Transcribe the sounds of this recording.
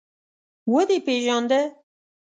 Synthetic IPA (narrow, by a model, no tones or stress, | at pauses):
wəd̪epeʒɑːnd̪ɛ